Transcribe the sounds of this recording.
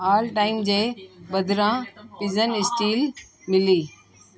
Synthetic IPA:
aːlʈaːɪmd͡ʑeːbɐd̪ʱɪɾãpɪzənɪsʈiːl | mɪliː

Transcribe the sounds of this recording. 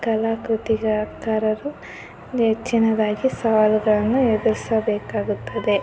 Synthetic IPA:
kɐlaːkɾut̪iɡɐkaːɾɐɾu | et͡ʃːinɐd̪aːɡisɐʋaːluɡɐɭɐnːued̪uɾisɐbɛːkaːɡut̪ːɐd̪e̞

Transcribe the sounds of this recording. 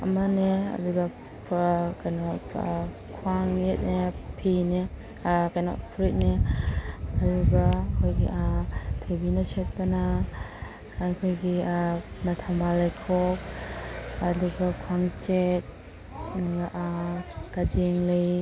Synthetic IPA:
ɐ̰mɐneɐ̰duɡɐ | pʰkajnɔ | kʰuaŋjet̚nepʰine | kajnɔ̰pʰuɾit̚ne | ɐɾuɡɐkʰojɡḭʔatʰojbinɐset̚pɐna | ajkʰojɡiamɐtʰambalajkʰɔk̚ | ɐduɡɐkʰuwaŋt͡ʃet̚ | nuɡaʔ | ɡ̥ad͡ʒeŋlej

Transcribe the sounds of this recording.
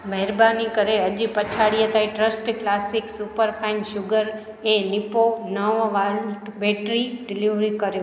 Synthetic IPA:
mɛɦɾbanikəɾeəd͡ʒipət͡ʃʰaɽijet̪aiʈɾəsʈklasɪksupəɾpʰaɪnʃʊɡəɾ | enɪponəʋʋalbeʈɾiɖɪliʋɾikəɾjo

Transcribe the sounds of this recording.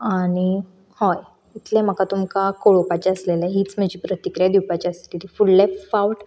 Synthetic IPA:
aɽ̃i | hoj | it̪lẽm̤əkat̪umkakoɭopat͡ɕaəslelaɦiːt͡smad͡ʑiːpɾət̪ikɾijad̪iwpat͡ɕiəslilifullefawʈ

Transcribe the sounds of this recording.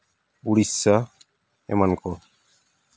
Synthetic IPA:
buɽisːa | ɛ̰mankɔ

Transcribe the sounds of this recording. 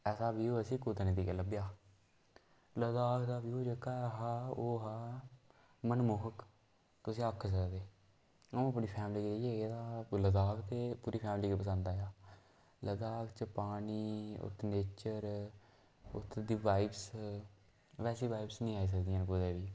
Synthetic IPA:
ɛːsaːbiːoːəsĩːkoːd̪enẽd̪iːkeləbjaː | ləd̪aːkʰd̪aːbiːoːd͡ʒekʰːaːɦaːoːɦaː | mənmʊɦək | t̪ʊsĩːəkʰsəkd̪eː | əũəpniːpʰɛːmliːkieeːeːd̪aːləd̪aːkʰt̪eːpuːɾiːpʰɛːmliːkipəs̬ə̃nd̪aːjaː | ləd̪aːkʰt͡ʃəpaːniːʊ̰t̪ʰːneːt͡ʃəɾ | ʊ̰t̪ʰːd̪iːʋaːɪbs | ʋɛːsiːʋaːibsnĩːaːiːs̬əkd̪ijãːnkoːd̪eːʋiː

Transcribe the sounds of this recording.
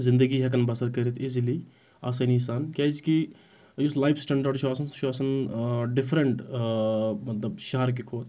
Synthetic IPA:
zɪ̃nd̪əɡiɦɐk̬ɐnbɐsɐɾkɐɾit̪ʰizili | aːsɐnisaːnkʲaːd͡ʒki | juslaːjpʰsʈɐɳɖəɾɖt͡ʃʰuaːsɐnʃʰuaːsɐnɖɪfʰɾeɳʈ | mɐt̪lɐbʃɐɦɐɾk̬ikʰoːt̪

